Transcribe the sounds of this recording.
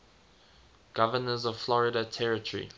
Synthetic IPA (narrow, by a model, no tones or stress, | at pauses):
ɡ̥avənəzɔv̥flɔɹɪdətʰɛɹɪtəɹḭ